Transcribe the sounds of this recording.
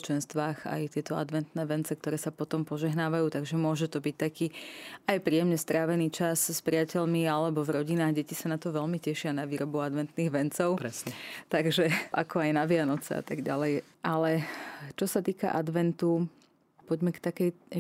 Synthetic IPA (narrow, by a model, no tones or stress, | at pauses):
t͡ʃɛnst̪ʋaːxa̰jt̪ɪɛt̪ɔa̰d̪ʋɛnt̪nɛːʋɛnt͡sɛk̚t̪ɔɾɛːsapɔt̪ɔmpɔʒɛɦnaːʋajuːt̪aɡʒɛmʊɔʒɛt̪ɔbic̚t̪akiːajpɾiːjɛmɲɛst̪ɾaːʋɛniːt͡ʃasspɾiɪacɛʎmialɛbɔvɾɔɟinaːɣɟɛcisanat̪ɔʋɛʎmicɛʃɪanaʋiːɾɔbuad̪ʋɛnt̪niːɣʋɛnt͡sɔʊɛt̪aɡʒɛʔakɔajnaʋɪanɔt͡sɛ̰a̰t̪aɡɟa̰lɛj | ʔalɛt͡ʃɔsat̪iːka̰ʔad̪ʋɛnt̪u | pɔɟmɛkt̪akɛjɛ